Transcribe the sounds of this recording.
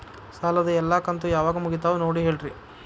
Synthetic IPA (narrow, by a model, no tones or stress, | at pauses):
saːlɐd̪ɐɛlːaːkɐnt̪ujaːʋaːɡɐmuɡit̪̬aːʋunoːɽiɦe̞ːɭɾi